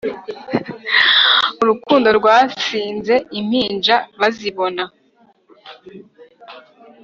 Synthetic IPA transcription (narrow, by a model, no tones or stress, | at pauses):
uɾukuːndo̞ɾɡwaːsiːnze̞im̥hiːnd͡ʒaβaziβo̞na